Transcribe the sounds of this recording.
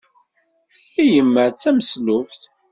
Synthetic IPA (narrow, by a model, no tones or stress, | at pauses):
ijəmːəɾt͡sːæməslʊfθ